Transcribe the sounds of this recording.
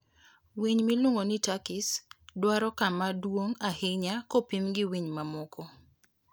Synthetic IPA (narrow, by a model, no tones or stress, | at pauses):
wiɲmiluŋonitakɪsdwaɾɔkamadwoŋahɪɲakɔpimɡɪwiɲmamɔkʰɔ